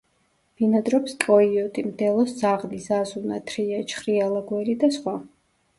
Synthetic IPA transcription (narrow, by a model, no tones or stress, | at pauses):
b̥inad̪ɾɔpst̪ʼɔiɔt̪ʼimd̪ɛlˠɔszaʁnisazunat̪ʰɾiat͡ʃʰχɾialˠaɡwɛlid̪asχwa